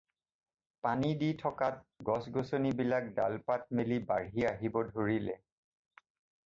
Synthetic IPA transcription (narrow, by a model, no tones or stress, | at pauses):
paniditʰɔkat̚ɡɔsɡosonibilak̚da̰lpat̚melibaɹɦiaɦibɔdʱoɹilɛ